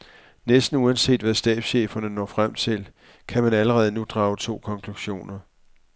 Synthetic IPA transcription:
nesd̥n̩uænse̝̰ːd̥ʋæsd̥ɛ̰ːb̥ɕḛːfɐnənɒ̰ːfʁam̰t͡sʰe̝l | kʰæmænæləʁɛːð̞̩ˠənud̥ʁɑ̈ːʊt͡sʰo̝̰ːkʰɒ̽ŋkʰluɕo̝̰ːnɐ

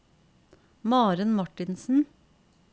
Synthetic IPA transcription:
mɑːɾənmɔʈɪnsn̩

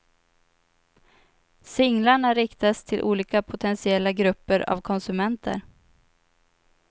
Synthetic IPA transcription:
sɪŋlaɳaɾɪkt̪ast̪ʰɪlʔṵːliːkapʰʊt̪ʰɛnsɪɛlːaɡɾɵpːəɾa̰vkʰɔnsɵmɛnt̪ʰə̰ɾ

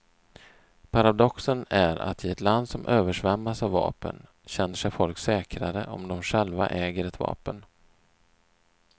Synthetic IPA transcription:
pʰaɾad̪ɔksənæɾa̰t̪ɪɛt̪land̪sɔmʔøːvəʂvɛmːasavːɑ̰ːpə̰n | ɕɛnːəʂɛjfɔlksɛːkɾaɾəʔɔ̰md̪ɔmɧɛlva̰ʔɛːɡəɾɛt̪vɑ̰ːpən

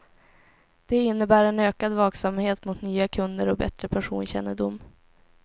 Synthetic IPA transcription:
d̪̥ɛɪnːəbæːɾɛnøːkad̪vɑːksamheːt̪mʊt̪nyːakʰɵnd̪əɾɔk̚bɛ̰t̪ɾəpʰæʂṵːnɕɛ̰nːəɖʊmː

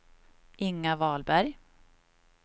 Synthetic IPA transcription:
ʔɪŋːavɑːlbæɾj

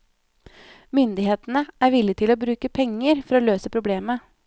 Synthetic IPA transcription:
mʏnd̪ɪheːt̪n̩əʔæːɾʋɪlɪt̪ʰɪloːbɾʉːkəpʰɛŋːəɾfɔɾoːløːsəpʰɾʊbleːmə

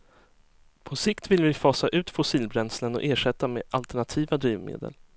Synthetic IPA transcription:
pʰɔsɪkt̪vɪlvɪfɑːsaʔʉ̟ːt̪fʊsiːlbɾɛnslənɔ̰ʔeːʂɛt̪ːameːʔalt̪ɛɳat̪ʰiːvad̪ɾiːvmḛːd̪ə̰l

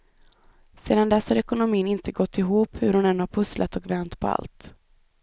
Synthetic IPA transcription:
seːd̪and̪ɛshaɾɛkʊnʊmiːnɪnt̪ʰəɡɔt̪ʰːɪɦuːphɵɾhʊnɛnd̪ʊhaɾpʰɵslʔat̪ɔkvɛnt̪pʰɔa̰lt̪

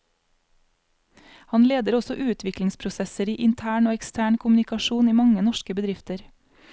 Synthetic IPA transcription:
hɑnleːd̪əɾɔsɔʔʉːt̪ʰʋɪklɪŋspʰɾʊsɛsəɾiːʔɪnt̪ʰæːɳoːɛkst̪ʰæːɳkʰʊmnɪkɑʃuːniːmɑŋənɔʃkəbəd̪ɾɪft̪əɾ

